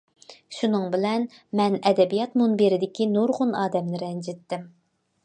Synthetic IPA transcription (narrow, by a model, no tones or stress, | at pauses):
ʃunɨŋbɪlɛnmɛnɛd̪ɛbijɑt̪munbeɾɪd̪ɪkʲinoɾʁʊnɑːd̪ɛmnɪɾɛnd͡ʒɪt̪ːɪm